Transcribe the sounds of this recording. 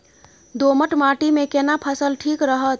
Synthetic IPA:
d̪oməʈmaʈimekenapʰəsəlʈʰikɾəɦət̪̚

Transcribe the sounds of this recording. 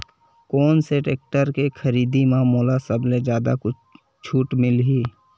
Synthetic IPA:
kɔːnseʈeːk̚ʈəɾkekʰəɾiːd̪imãːmuːlasəbled͡ʒjaːd̪a̰kʊt͡ʃʰ | t͡ʃʰuːʈmɪlɦiː

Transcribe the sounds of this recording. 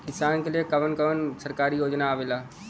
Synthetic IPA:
kɪsaːnkeliekɐʋənkəʋənsəɾkaːɾijoːd͡ʒnaːʋelaː

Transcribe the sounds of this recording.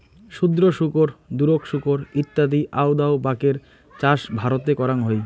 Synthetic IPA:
ʃud̪ɾoʃukoɾd̪uɾokʃukoɾit̪ːad̪iʔawd̪aobakeɾ | t͡ɕaʃbʱaɾot̪̬ekɔɾanɦoj

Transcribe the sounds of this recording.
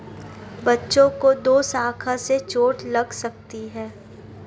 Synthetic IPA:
bɐtːʃõkod̪oːsaːkʰaset͡ʃoːʈlɐɡsɐk̚t̪iɦɛː

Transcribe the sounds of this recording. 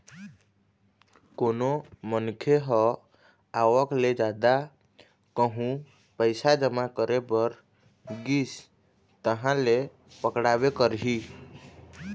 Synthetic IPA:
konomənkʰeɦɔ | aʋəkled͡ʒad̪a | kəɦũ | pəɪsad͡ʒəmakəɾepəɾ | ɡis | t̪əɦãle | pəkɽabekəɾɦi

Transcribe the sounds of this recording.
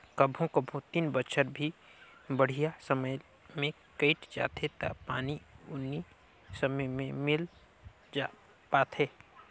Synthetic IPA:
kəbʱõkəbʱõt̪inbət͡ʃʰəɾbʱibəɽ̤ijasəməj | mẽ | kəɪʈd͡ʒa̰ːt̪ʰet̪a̰paːniʊnːi | səməjmẽmɪl | d͡ʒa | paːt̪ʰe

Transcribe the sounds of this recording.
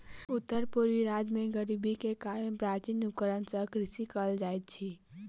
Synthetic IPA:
ʊt̪ːəɾpuɾʋiɾaːd͡ʒmẽɡəɾibʱikekaːɾənpɾaːɾt͡ʃinukəɾənsəkɾɪsikəld͡ʒaːet̪̚t͡ʃʰi

